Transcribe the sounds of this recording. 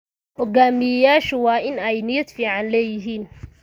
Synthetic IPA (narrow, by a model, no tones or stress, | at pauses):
hɔɡaːmɪjɐjaːʃʊwɑːʔɪnɛjnɪjɐd̪fiːʕɑnlɛːjɪɦiːn